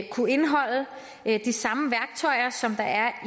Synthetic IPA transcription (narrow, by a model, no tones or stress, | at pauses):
kʰue̝nɦɒ̽l̰ə | d̥isɑ̈məʋæɐɡ̥̚t͡sʰɒɪɐsɒ̽md̥ɑ̈æɐ